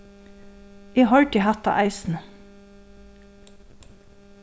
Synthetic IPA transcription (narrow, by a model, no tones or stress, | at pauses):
iːhɑɹɖɪhæt̪ɑ̰ʔæɪsn̩